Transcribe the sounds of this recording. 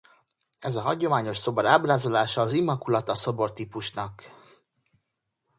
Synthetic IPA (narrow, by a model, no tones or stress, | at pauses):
ɛzɒɦɒɟo̞maːɲo̞ʃso̞bɒɾaːbraːzo̞laːʃɒːzimːɒkulɒt̪ɒso̞bo̞rt̪iːpuʃnɒk